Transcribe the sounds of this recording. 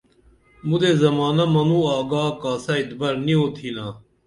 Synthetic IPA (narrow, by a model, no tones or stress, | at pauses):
mud̪eːzɐmaːnɐmɐnuːaːɡaːkaːsaːit̪bɐɾnioːt̪ʰiːnaː